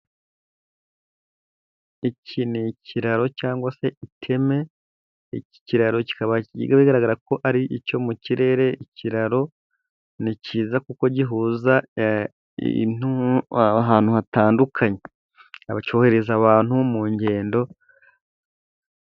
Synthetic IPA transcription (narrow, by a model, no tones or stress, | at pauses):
icʰinicʰiɾaɾo̞caːŋɡwase̞itʰe̞me̞ | ii̥ciɾaɾo̞ci̥kaβaḭɡaβiɡaɾaɡaɾako̞ʔaɾiʔico̞muciɾe̞ːɾe̞icʰiɾaɾo̞ | niciːzakuko̞ɟiɦuːza | n̥u | ɦaːn̥huhataːndukʰaɲe̞ | aβat͡ʃo̞ːhe̞ɾezaβaːn̥humuːɲɟe̞ːndo̞